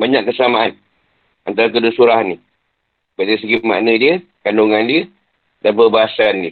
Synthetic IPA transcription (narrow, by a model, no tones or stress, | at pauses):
baɲaʔkːəsəamaʔan | ant̪aɾakədusuɾaɦanːi | badais̬əɡima̰ʔnə̃diə | kaloŋandiə | danpərbaɦasandi